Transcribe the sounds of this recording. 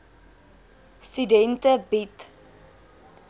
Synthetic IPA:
stydɛntəbit

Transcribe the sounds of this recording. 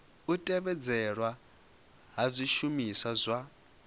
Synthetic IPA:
utʼɛβɛd͡zɛɺwa | ɦab͡ʐʷiʃumisazʷa

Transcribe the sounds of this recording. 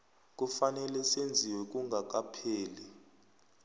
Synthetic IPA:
k̬ʼufanɛlɛsend͡zʱiwɛk̬uŋɡʱak̬apʰeːlɛ

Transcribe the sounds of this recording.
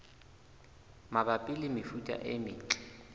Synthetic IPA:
mabapʼɪlɪmɪfutʼa̰ʔɪmɪːt͡ɬʼɛ̥

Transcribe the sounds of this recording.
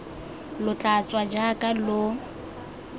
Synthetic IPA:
lʊt͡ɬʼat͡sʼwad͡ʒakʼalʊ

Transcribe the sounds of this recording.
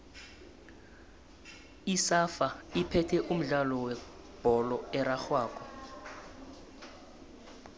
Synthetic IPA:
isafaipʰɛtʰɛʔum̩ɮalɔwɛ | b̥ʱɔlɔɛɾaxwaːkʰʼɔ

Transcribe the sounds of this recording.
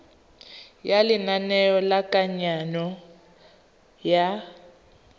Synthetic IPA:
jalɪnanɛjɔlakʼaɲanɔ | ja

